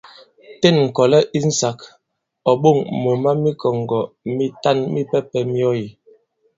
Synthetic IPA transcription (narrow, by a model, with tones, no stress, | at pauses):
tɛ˦˨nŋ̩˨kɔ˨lɛ˦ʔi˦n̩˦sa˨k | ɔ˨ɓo˦˨ŋmo˨ma˦mi˦kɔ˨ŋ˨ɡɔ˨mi˦ta˦˨nmi˦pɛ˦pɛ˨mi˦ɔ˦ji˨